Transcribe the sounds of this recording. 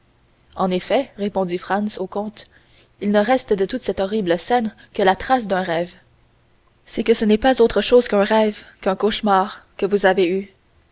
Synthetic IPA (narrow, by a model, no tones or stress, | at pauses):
ɑ̃nefɛʁepɔ̃dd͡zifχɑ̃nsokɔ̃t̪ | ilnəʁɛst̪əd̪ət̪ut̪sɛt̪ɔʁibləsɛn | kəlat̪χas̬d̪œ̃ʁɛv | sɛkəsənɛpazot̪χəʃoːz̥kɛ̃ʁɛvkɛ̃koʃmaːʁkəvuzavey